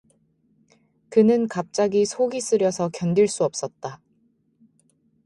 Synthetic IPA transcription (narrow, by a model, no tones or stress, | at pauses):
kɯnɯnkap̚t͡ɕ͈aɡisʰoɡis͈ɯɾjʌsʰʌkjʌndiɭs͈uʌp̚s͈ʌt̚t͈a